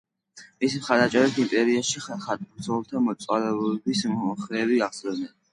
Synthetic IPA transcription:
mismχaɾd̪at͡ʃʼɛɾɛt̪ʰimpʼɛɾiaʃiχχat̪ʼusʰɔlˠt̪ʰamɔt̪sʼwalɛɔɛbisχɾɛːviaʁsɛnɛn

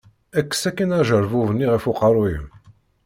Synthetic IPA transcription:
ækːə̥sækːænæʒəɾˤvuvənːiʁəfuqəɾˤwi

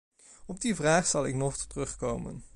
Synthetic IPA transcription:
ɔb̚divraːχsɑlˠɪknɔχttərɵχkowmə̰n

